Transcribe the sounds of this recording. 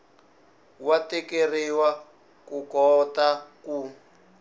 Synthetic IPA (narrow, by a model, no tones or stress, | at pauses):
watɛkeriwa | kukɔtaku